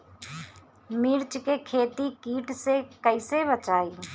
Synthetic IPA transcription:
miːɾt͡ʃkekʰeːt̪ikiːʈsekəɪsebət͡ʃaːiː

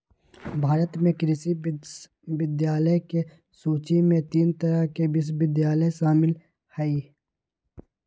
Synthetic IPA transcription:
bʱaːɾət̪mẽkɾɪsi | bɪd̪jaːləke | suːt͡ʃimẽt̪iːnt̪ɐɾakebɪs̬bɪd̪jaːləjʃaːmɪl | hɐiː

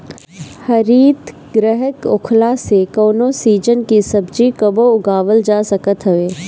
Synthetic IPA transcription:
hɐɾiːt̪ | ɡɾɛɦəkʊkʰlasekoːnoːsiːd͡ʒənkisɐbd͡ʒikɐboʊɡaːʋəld͡ʒaːsɐkət̪ɦɐʋeː

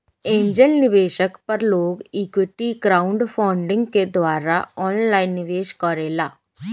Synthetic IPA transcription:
ẽːɲd͡ʒəlnɪʋeːʃəkpɐɾloːɡiːkwɪʈiɡɾaːʊɳɖpʰaːɳɖɪ̃ŋɡked̪ʋaːɾaɔːnlaːinːɪʋeːʃkɔɾeːlaː

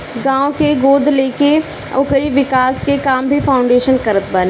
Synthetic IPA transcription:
ɡãːõkeɡoːd̪ʱleːke | o̰ːkəɾiʋɪkaːskekaːmbʱifaːʊ̃ɳɖeːʃənkɐɾət̪bəlː

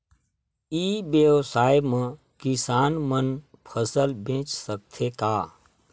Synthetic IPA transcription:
ibjəwsaːjmə̃ | kɪsaːnmən | pʰəsəlbẽːt͡ʃsək̚t̪ʰekaː

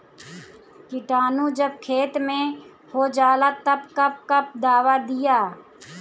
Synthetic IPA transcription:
kɪʈaːnũd͡ʒəb̚kʰeːt̪mẽ | hod͡ʒaːlat̪ɐbkɐp̚kəp̚d̪aːwad̪ɪjaː

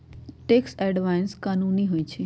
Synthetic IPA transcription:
ʈeksɛɖʋajnskaːnuniɦoːit͡ʃʰe

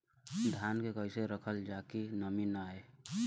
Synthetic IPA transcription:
d̪ʱjankekəɪseɾəkʰəld͡ʒakinəminae

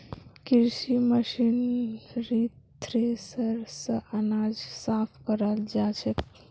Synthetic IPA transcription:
kiɾsiməʃinɾit̪ː | ɾesəɾsəʔanad͡ʒsapʰkəɾəld͡ʒat͡ʃʰək

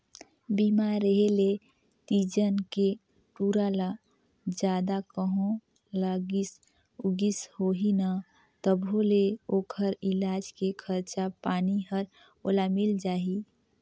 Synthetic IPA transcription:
bimaɾːəɦele | t̪id͡ʒənke | ʈuːɾala | d͡ʒjaːd̪akəɦõ | laɡis | ʊɡishoːɦina | t̪əbɦoleoːkʰəɾɪlaːd͡ʒkekʰəɾt͡ʃapaːniɦəɾ | oːlamɪld͡ʒaːɦi

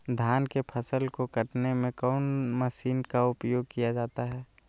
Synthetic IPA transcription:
d̪ʱjaːnkepʰɐsəlkokɐʈnemẽkɔːnmɐʃiːnkaʊpjoːɡ̚kijad͡ʒaːt̪aɦɛː

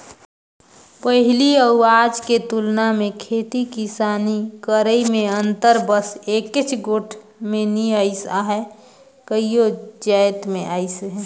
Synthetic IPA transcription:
pəɦɪliəʊaːd͡ʒket̪ulnamẽkʰeːt̪ikisaːnikəɾəimẽənt̪əɾbəseːkɪt͡ʃʰɡoːʈʰ | mẽniəɪsaɦɛ | kəijod͡ʒajt̪mẽʔaːɪsɦɛ̃

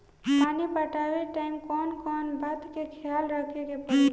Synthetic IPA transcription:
maːnibəʈaweʈaːɪmkɔːnkɔːnbət̪kekʰjaːlɾəkʰekepə

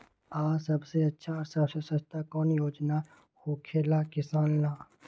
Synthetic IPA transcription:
aːsɐbseɐtːʃʰaɔːɾsɐbsesɐst̪ʰakɔːnjoːd͡ʒna | hoːkʰeːlakɪsaːnlaː

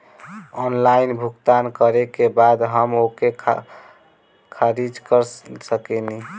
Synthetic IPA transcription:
ɔnlainbʱukt̪ankəɾekebad̪ɦəmoke | kʰaɾid͡ʒkəɾsəkɛni

